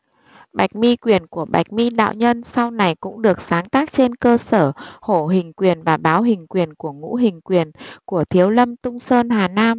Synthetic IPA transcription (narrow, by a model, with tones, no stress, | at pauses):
ɓa˨˩jk̟̚mi˧kwi˨˩ənku˧˩əɓa̰˨˩jk̟̚mi˧ɗa̰ː˧˨wɲə˧nsa˧wna˨˩jkʊ̰˧˥ŋ͡mɗɨ˨˩ək̚saː˨˦ŋt̪aː˦˥k̚t͡ɕe˧nkəː˧səː˧˩ho˧˩ɦï˨˩ŋ̟kwi˨˩ənvaː˨˩ɓaː˨˦wɦï˨˩ŋ̟kwi˨˩ənku˧˩əŋṵ˧˥ɦï˨˩ŋ̟kwi˨˩ənku˧˩ət̪ʰi˨˦əwlə˧mt̪ʊ˧ŋ͡msəː˧nɦaː˨˩naː˧m